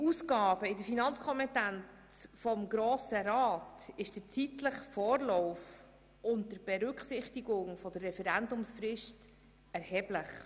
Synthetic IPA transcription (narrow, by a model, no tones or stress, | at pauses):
uːsɡɑːbəɪdəɾfinɑnt͡skʰɔmɛtænt͡sfɔmɡɾoːsəɾɑːtɪʃd̥ət͡sitləχfoːɾlɔʊf | ʔʊntdəɾb̥ɛɾʏkχsɪχtiɡʊŋfɔdərːɛfɛɾændʊmsfrɪʃt | ɛɾhɛːblɪχ